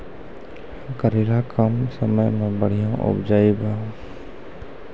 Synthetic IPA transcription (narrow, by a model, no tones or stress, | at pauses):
kəɾiːɽakəmsəməjmẽbəɽ̤ijãʔʊ̰bd͡ʒaːibã